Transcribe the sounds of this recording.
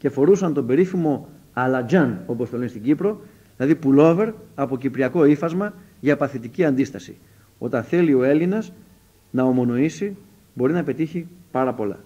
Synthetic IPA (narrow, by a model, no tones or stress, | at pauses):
cefo̞ɾusɐnt̪o̞be̞ɾifimo̞ | ɐlɐd͡ʑɐno̞post̪o̞lenist̪iɟipɾo̞ | ðilɐðipulo̞ve̞ɾɐpo̞cipɾiɐko̞ifɐzmɐ | ʝɐpɐθit̪iciɐnd̪ist̪ɐsḭ | o̞t̪ɐnθe̞lio̞e̞linɐz | nɐo̞mo̞no̞isi | bo̞ɾinɐpe̞t̪içipɐɾɐpo̞lɐ̰